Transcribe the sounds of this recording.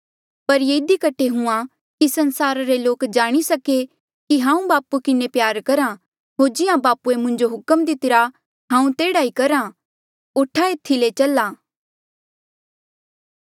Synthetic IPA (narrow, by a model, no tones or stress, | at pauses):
pɐɾjeɪd̪ikɐʈʰeɦʊ̃ã | kisɐ̃nsaːɾaɾeloːkd͡ʒaːɽ̃isɐke | kiɦãːũbaːpukɪnepjaːɾkɐɾã | ɦoːɾd͡ʒɪjãbaːpuemʊ̃ɲd͡ʒoɦʊkəmd̪ɪt̪ɪɾa | ɦãːũt̪eːɽaikɐɾã | ʊʈʰːaet̪ʰːilet͡ʃɐlaː